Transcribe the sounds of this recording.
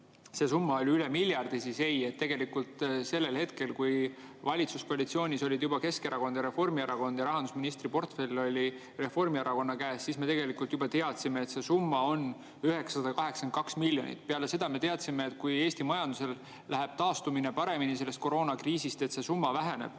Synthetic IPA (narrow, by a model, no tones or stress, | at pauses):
se̞sumːɑo̞lʲyle̞miljɑrd̪̥isise̞je̞t̪ːe̞ɡ̥e̞likult̪se̞lːe̞lhe̞t̪ke̞lkuj | vɑlʲit̪susko̞ɑlʲit̪sio̞ːnʲiso̞lʲid̪̥jubɑke̞skeɾɑko̞nd̪̥jɑɾe̞fo̞rmieɾɑko̞nd̪jɑɾɑɦɑnd̪usminist̪ripo̞rt̪fe̞lʲːo̞lʲi | re̞fo̞rmieɾɑko̞nːɑkæːsːisme̞t̪e̞ɡe̞likˑult̪jubɑt̪e̞ɑt̪sime̞ːt̪se̞sumːɑo̞n | yɦe̞kssɑd̪ɑkɑɦe̞ksenkɑksmilʲːjo̞nḭt̪ːˑpeɑle̞se̞d̪̥ɑme̞t̪e̞ɑt̪simeːt̪kuje̞ːsʲt̪imɑjɑnd̪use̞l | lʔæɦeb̥̚t̪ɑːst̪umine̞pɑɾe̞minise̞lːest̪̚ko̞ɾo̞ːnɑkriːsist̪et̪se̞sumːɑvæɦæne̞̰b̥